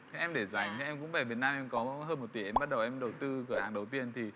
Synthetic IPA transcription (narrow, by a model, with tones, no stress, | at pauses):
ʔɛ˧mɗe˧˩za˨˩jŋ̟˨˩ʔɛ˧mkʊ̰˧˥ŋ͡mvɛ˧˩vi˨˩ət̚naː˧mʔɛ˧mkɔ˨˦ɦəː˧nmo˨˩t̚t̪i˧˩ʔɛ˧mɓa˦˥t̚ɗə˨˩wʔɛ˧mɗə˨˩wt̪ɨ˧kɨ˧˩əhaː˨˩ŋɗə˨˩wt̪i˧˩ənt̪ʰi˨˩